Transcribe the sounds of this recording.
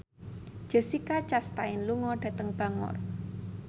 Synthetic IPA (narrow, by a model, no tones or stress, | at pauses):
ʒ̥ə̤sikat͡ʃast̪aɪnluŋɔɖ̥ä̤t̪əŋb̥a̤ŋɔ̰r